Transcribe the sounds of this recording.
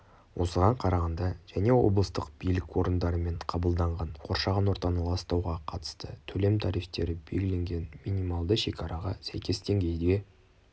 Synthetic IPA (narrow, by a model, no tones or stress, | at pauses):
wʔo̞səʁɑɴqʰɑɾɑʁɑnd̪ɑʒ̥æne̞wo̞̰blˠəst̪əqb̥ijlɪkwo̞ɾənd̪ɑɾəme̞ɴqʰɑbəlˠd̪ɑɴʁɑɴqʰo̞ɾʃɑʁɑnwo̞ɾt̪ɑnɑlˠɑst̪ɑwʁɑqʰɑt̪ə̥st̪ət̪ʰɵle̞mt̪ʰɑɾijft̪e̞ɾɪbe̞lɡʲɪle̞ŋɡʲe̞nminijmɑlˠd̪əʃe̞kʰɑɾʔɑʁɑsæ̰jkʲʰe̞sd̪e̞ŋɡʲe̞jd̪e̞